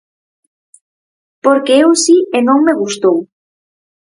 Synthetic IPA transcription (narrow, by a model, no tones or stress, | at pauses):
poɾkeewsienõŋmeɣ̞ust̪ow